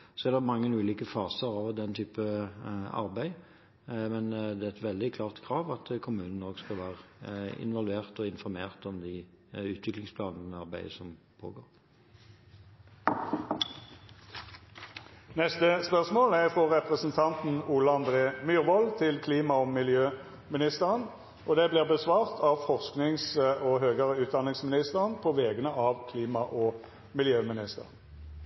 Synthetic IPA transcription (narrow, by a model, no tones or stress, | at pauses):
sɔɛd̪ɛmɑŋːənʉːliːkəfɑːsəʁɑʋd̪ɛnt̪ʰyːpə | ɑ̰ʁbæɪ | mɛnd̪ɛæɛt̪ʋɛld̪ɪkʰlɑːʁt̪kʰʁɑːʋɑt̪ʰkʰʊmʉːnən̩oːɡskɑlʋæːʁəɪ̰nʋɑlʋʉeːʁt̪ɔɪnfɔɾmeːʁt̪ɔmd̪ɪ | ʉːt̪ʰʋɪklɪŋspʰlɑːnənəɑʁbæɪəsɔmpʰo̰ːɡoːʁ | nɛst̪əspœʁsmoːlæʁfʁɔʁɛpʁəsnt̪ʰɑnt̪n̩uːlɑɑnd̪ʁeːmyːʁʋɔlt̪ʰɪlkʰliːmɑɔmɪljøː | mɪnɪst̪əʁən | ʔɔd̪ɛbliːʁbəsʋɑːʁt̪ʰɑʋfɔʁsknɪŋsɔɦøːɡəʁəʉːt̪̚d̪ɑnɪŋsmɪnɪst̪əʁənpʰoːʋeːɡənəʔɑːʋkʰliːmɑʔɔ | mɪljøːmɪnɪst̪ə̰ʁən